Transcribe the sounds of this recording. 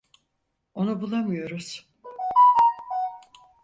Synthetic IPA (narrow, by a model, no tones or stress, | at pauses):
o̞nubulˠamɯjo̞ɾuz̥